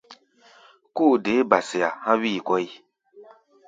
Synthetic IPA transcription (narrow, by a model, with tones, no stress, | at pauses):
ku˦˨de˨˦ba˨si˨ja˨hã˦wi˦˨kɔ˦i˦